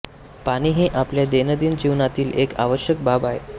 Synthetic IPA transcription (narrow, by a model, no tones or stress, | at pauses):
paɽ̃iːɦeʔapljad̪enəd̪iːnd͡ʑiʋnat̪iːleka̰ʋəɕjək̚babaɦḛ